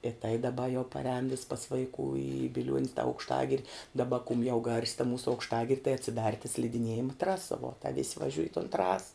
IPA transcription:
ɪ tɐɪ dɐˈbɐ jɛʊ pɐˈrʲɛːn ʋʲɪs pɐs ʋɐɪˈkuː ɪ bʲɪˈlʲuɔnʲs tɐ ɐʊkʃˈtɑːɡʲɪrʲɪ dɐˈbɐ kʊm jɛʊ ɡɐrʲsʲ tɐ ˈmuːsʊ ɐʊkʃˈtɑːɡʲɪrʲ tɐɪ ɐtʲsʲɪˈdɐr tɐ sʲlʲɪdʲɪˈnʲiɛjɪmɐ ˈtrɑːsɐ ʋuɔ tɐ ʋʲɪsʲ ʋɐˈʒʲʊj ɪ toːn ˈtrɑːsɐ

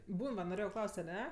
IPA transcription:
ˈbuːn ʋɐ noːˈrʲeːjɛʊ ˈklˠɐʊst ɐˈnʲɛ

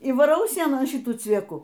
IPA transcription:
iː ʋɐˈrɐʊ ˈsʲiɛnoːn ˈʃʲɪtuː t͡sʲʋʲiɛˈkʊ

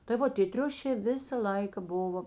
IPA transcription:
tɐɪ ˈʋoː tʲeː ˈtʲrʲʊʃʲeː ˈʋʲɪsɐ ˈlˠɐɪkɐ ˈbʊʋoː

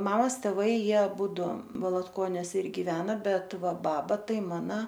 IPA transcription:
ˈmɑːmɐs tʲɛˈʋɐɪ ˈjiɛ ɐˈbuːdʊ ʋɐlˠɐtˈkoːnʲuɔs ɪr ɡʲɪˈʋʲæːnoː ˈbʲɛt ˈʋɐ ˈbɑːbɐ ˈtɐɪ ˈmɑːnɐ

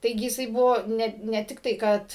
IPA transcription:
ˈtɐɪɡʲɪ jɪˈsɐɪ ˈbʊʋoː ˈnʲɛ nʲɛ ˈtʲɪktɐɪ ˈkɐt

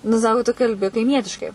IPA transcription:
nʊ ˈsɑːkoː tʊ kɐlʲˈbʲɪ kɐɪˈmʲiɛtʲɪʃkɐɪ

